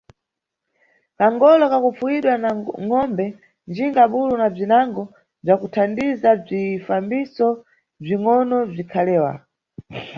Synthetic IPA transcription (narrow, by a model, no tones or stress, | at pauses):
kaŋɡɔlɔkakufuwiɗwanaŋɔmbɛ | nd͡ʒiŋɡaɓulunab͡ʐinaŋɡɔ | b͡ʐakutʰandizab͡ʐifambisɔ | b͡ʐiŋɔnɔb͡ʐikʰalɛːwa̰